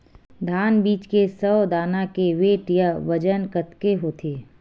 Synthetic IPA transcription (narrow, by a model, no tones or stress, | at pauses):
d̪ʱaːnbiːt͡ʃkesəːd̪aːnãkeʋeːʈjəʋɐd͡ʒənkət̪keɦoːt̪ʰeː